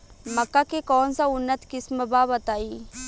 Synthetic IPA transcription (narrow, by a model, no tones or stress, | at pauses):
mɐkːakekɔːnsaʊnːət̪kɪsməbaːbɐt̪aːiː